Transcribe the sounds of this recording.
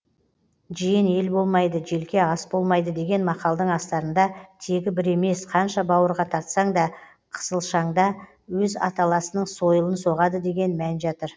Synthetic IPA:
ʒijɪne̞lbo̞lˠmɑjd̪əʒe̞lkʲe̞ɑsbo̞lˠmɑjd̪əd̪e̞ɡʲe̞nmɑqɑlˠd̪əɴɑst̪ɑɾənd̪ɑt̪ʰe̞ɡʲɪbɪɾe̞me̞sqʰɑnʃɑbɑwəɾʁɑt̪ʰɑɾt̪sɑɴd̪ɑ | qʰə̥səlˠʃɑɴd̪ɑ | wɵzɑ̰t̪ɑlˠɑsənəɴso̞jəlˠənso̞ʁɑd̪əd̪e̞ɡʲe̞nmænʒɑt̪əɾ

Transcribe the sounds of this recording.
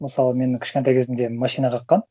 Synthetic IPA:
məsɑlˠəme̞nkʲʰɪ̥ʃkʲent̪ɑjkʲezɪmd̪e̞mɑʃijnɑqʰɑqːɑn

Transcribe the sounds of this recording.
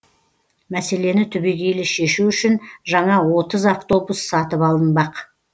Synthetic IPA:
mæse̞le̞nɪt̪ʰʏbe̞ɡʲe̞jlɪʃe̞ʃuʏʃɪnʒɑɴɑwo̞t̪əzaft̪o̞busːɑt̪əpɑlˠənbɑq

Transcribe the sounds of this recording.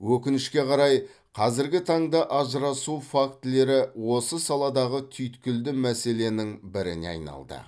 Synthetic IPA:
wɵkʲɪnɪʃkʲe̞qʰɑɾɑj | qʰɑzɪɾɡʲɪt̪ʰɑɴd̪ɑʔɑʒəɾɑsufakt̪le̞ɾɪwo̞səsɑlˠɑd̪ɑʁət̪ʰʏjt̪kʲɪld̪ɪmæse̞le̞nɪŋbɪɾɪnḛɑ̰jnɑ̰lˠd̪ə̰

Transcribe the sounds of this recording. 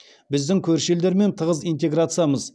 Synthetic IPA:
bɪzd̪ɪŋkʲʰɵɾʃeld̪e̞ɾme̞nt̪ʰəʁəzijnt̪e̞ɡɾat̪sɨjaməz

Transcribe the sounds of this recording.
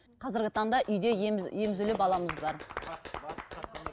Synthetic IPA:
qʰɑzɪɾɡʲɪt̪ʰɑɴd̪ɑʔʏjd̪e̞je̞mɪzɪlɪpɑlˠɑməzbɑɾ

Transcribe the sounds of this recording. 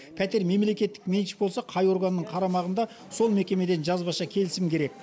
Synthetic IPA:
pʰæt̪e̞ɾme̞mle̞kʲe̞t̪ːɪ̥kmʲenʃbo̞lˠsɑqʰɑjo̞ɾɡənːəɴqʰɑɾɑmɑʁənd̪ɑ | so̞lˠme̞kʲe̞me̞d̪e̞nʒɑzbɑʃɑkʲʰe̞lɪsɪmkʲʰe̞ɾe̞k̚

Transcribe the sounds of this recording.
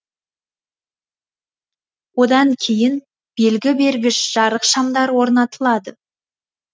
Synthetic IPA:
wo̞d̪ɑŋkʲʰe̞jɪn | b̥e̞lɡʲɪbe̞ɾɡʲɪʃʒ̥ɑɾəqʃɑmd̪ɑɾwo̞ɾnɑt̪əlˠɑd̪ə

